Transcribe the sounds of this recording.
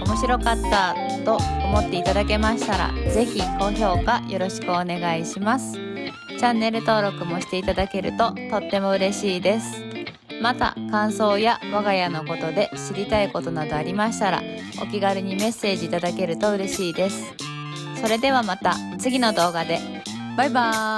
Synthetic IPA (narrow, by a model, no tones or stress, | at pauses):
o̞mo̞ɕiɾo̞kat̪ːa | t̪o̞omo̞t̪ːe̞it̪ad̪ake̞maɕi̥t̪aɾa̰ze̞çiko̞ço̞ːkajʔo̞ɾo̞ɕi̥kɯone̞ɡaiɕimasɨ̥ | t͡ɕãnːe̞ɾɯ̟t̪o̞ːɾo̞kɯ̟mo̞ɕi̥t̪e̞it̪ad̪ake̞ɾɯ̟̰t̪o̞t̪o̞t̪ːe̞mo̞ɯ̟ɾe̞ɕiːd̪e̞sɨ̥ | mat̪a̰kãɰ̃so̞ːjaβaɡajano̞ko̞t̪o̞d̪e̞ɕiɾʲit̪aiko̞t̪o̞nad̪o̞aɾʲimaɕi̥t̪aɾa̰ | o̞̰kʲiɡaɾʲɯɲ̟ime̞se̞ːʑiːt̪ad̪ake̞ɾɯ̟t̪o̞ɯ̟ɾe̞ɕiːd̪e̞sɨ̥ | so̞ɾe̞d̪e̞β̞amat̪a̰ | t͡sɨɡʲino̞d̪o̞ːɡad̪e̞ | baiba